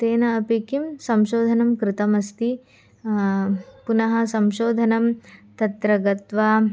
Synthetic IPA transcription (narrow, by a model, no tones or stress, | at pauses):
t̪eːnɐːpeːkimsɐmʃoːd̪ʱɐnɐmkɾɪt̪ɐmɐst̪i | punɐɦɐ̆sɐmʃoːd̪ʱɐnɐmt̪ɐt̪ɾɐɡɐt̪ʋaː